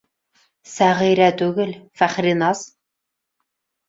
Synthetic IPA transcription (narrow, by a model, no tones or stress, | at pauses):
sæʁijɾæt̪ɵɡɪlfæχɾinɑz